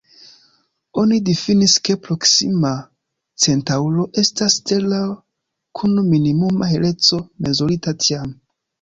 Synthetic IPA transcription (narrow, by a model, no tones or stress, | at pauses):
o̞nidifiniske̞pɾo̞ksima | t͡se̞ntaulo̞ʔe̞staste̞la | kʰunminimumaheɾe̞t͡so̞me̞zuɾitatʰiam